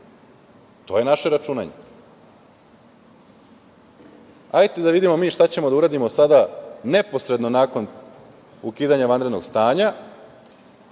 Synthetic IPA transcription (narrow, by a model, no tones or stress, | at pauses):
t̪o̞ːje̞naʃeɾat͡ʃuna̰ɲe | ajt̪ed̪aʋid̪imo̞miːʃt̪at͡ɕe̞mo̞d̪auɾaːd̪imo̞sad̪ane̞po̞sɾe̞d̪no̞naːko̞n | ukiːd̪aɲaʋand̪ɾed̪no̞ɡst̪aːɲa